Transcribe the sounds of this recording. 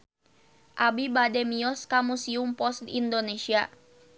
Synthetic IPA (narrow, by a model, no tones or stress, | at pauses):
ʔabibadɛmiɔskamusiumpɔst̪indonesia